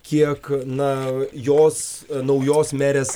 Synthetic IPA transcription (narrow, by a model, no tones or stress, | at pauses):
kʲiɛknɐjoːsnɐʊjoːsmʲæːɾʲeːs